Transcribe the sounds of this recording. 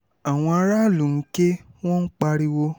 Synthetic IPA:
a˨w̃ɔ̃˧a˧˦ɾa˦˨lu˨n̩˦ke˦w̃ɔ̃˦k͡pa˧ɾi˧wo˧

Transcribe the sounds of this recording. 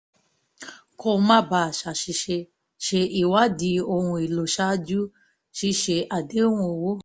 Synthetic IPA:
kʰo˧˦mã˦ba˨ʃa˨ʃi˧ʃe˧ | ʃe˧ʔi˨wa˦di˧o˧ũ˧i˨lo˨ʃa˦d͡ʒu˦ | ʃi˦ʃe˧ʔa˨de˦wũ˧o˨wo˦

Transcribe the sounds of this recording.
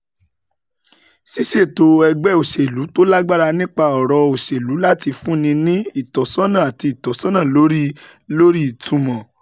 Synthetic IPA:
si˦ʃe˦˨to˧ɛ˧ɡ͡bɛ˦o˨ʃe˨lu˨˦to˦la˦ɡ͡ba˦ɾa˧nĩ˦k͡pa˧ɔ˨ɾɔ˧o˨ʃe˨lu˨˦la˦ti˧fũ˦nĩ˧nĩ˦i˦˨tɔ˨sɔ̃˦nã˦˨a˨ti˧i˨tɔ˨sɔ̃˦nã˦˨lo˨˦ɾi˦lo˦ɾi˦i˨tũ˨˧mɔ̃˨

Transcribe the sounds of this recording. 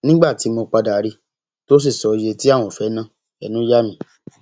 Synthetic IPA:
nĩ˦ɡ͡ba˦˨ti˨˦mo˧k͡pa˧da˨˦ɾi˧˦ | to˦s̬i˦˨sɔ˨˧je˧ti˦a˦˨w̃ɔ̃˨fɛ˨˦nã˦˨ | ɛ˨˦nũ˦ja˦mĩ˦

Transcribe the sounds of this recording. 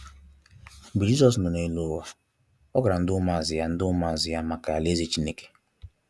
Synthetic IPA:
bu˨d͡ʒi˦sɔ˨s̬nʊ˨ne˨lo˨wa˦ | ɔ˦ɡʊ˨ɾa˨n̩˦dʊ˦ma˦˨a˨zɪ˨ja˦n̩˦dʊ˦ʊ˦ma˦˨a˨zɪ˨ja˦ma˨ka˨le˦zi˦t͡ʃi˦ne˦ke̥˦

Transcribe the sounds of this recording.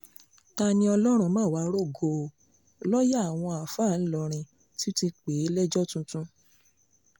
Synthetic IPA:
ta˧nĩ˧˦ɔ˧lɔ˦ɾ̃ũ˧mãː˦˨wa˨˦ɾo˦˨ɡo˨ | lɔ˦ja˦˨w̃ɔ̃˧a˨fa˦˨n̩˦lɔ˨˧˨ɾ̃ĩ˧ | ti˦ti˧k͡pe˨˦lɛ˦d͡ʒɔ˦tũ˧tũ˧

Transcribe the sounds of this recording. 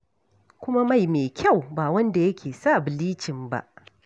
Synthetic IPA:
kʷʊ˦ma˦ma˦˨jmeː˨kʲʰa˦˨wbaː˨wɐ˦nda˨jɐ˦kʲʰeː˨sa˦˨bɪ˨liː˦t͡ʃɪ˨mba̰˦ʔ

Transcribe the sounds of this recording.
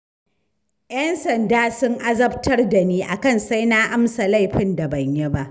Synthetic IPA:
jɐ˦nsɐ˨ndaː˦sʊ˦ŋʔa˦zɐ˦btʰɐ˦rda˨niː˦ʔa˨kɐ˦˨nsa˦jna˦ʔa˦msa˨la˦˨jɸɪ˦nda˨bɐ˨ɲje˦ba˦ʔ

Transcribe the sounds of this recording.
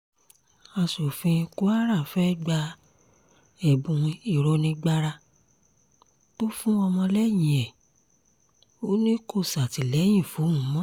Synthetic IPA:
a˧so˨fĩ˧ku˦a˦ɾa˦˨fɛ˦ɡ͡ba˧ | ɛ˨bũ˧w̃ĩ˧i˨ɾɔ˧nĩ˧ɡ͡ba˦ɾa˧ | to˦fũ˦ɔ˧mɔ̃˧lɛ˦j̃ĩ˨ɛ˨ | o˦nĩ˦ko˦˨sa˨ti˨lɛ˨˦j̃ĩ˦˨fu˨˦mũ˨˦mɔ̃˦

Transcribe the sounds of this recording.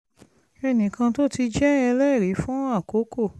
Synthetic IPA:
ɛ˧nĩ˨kã˧to˦ti˧d͡ʒɛ˦ɛ˧lɛ˦˨ɾi˨˦fũ˦a˦˨ko˨˦ko˦˨

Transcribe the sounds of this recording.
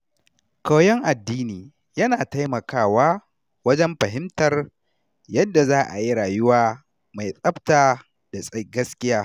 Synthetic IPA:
ka˨jɛ˦ŋʔa˨dːiː˦niː˨ | jɐ˦naː˨ta˦jmɐ˨kaː˦˨waː˦ | wɐ˦d͡ʒɛ˦mɸɐ˨ɦɪ˦mtɐ˨r | jɐ˦dːa˨zaː˦ʔa˨ji˦ɾaː˨jʊ˦waː˦ | ma˨jsʼɐ˦btaː˨ | d̥a˨sʼɐ˦ɡɐ˦skʲɪ˦jaː˦

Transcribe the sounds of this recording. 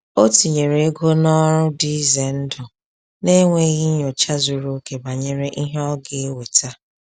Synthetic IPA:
o˦ti˨ɲe˨ɾe˨e˦ɡo˦nɔ˦ɾʊ˦di˦ze˨n̩˦dʊ˨ | ne˦ŋʷe˦ɣi˦ɲo˨t͡ʃa˦zu˨ɾo˦ke˨ba˨ɲe˨ɾe˦ʔi˦ɦe˦ɔ˦ɡe˨e˦we˨ta˦

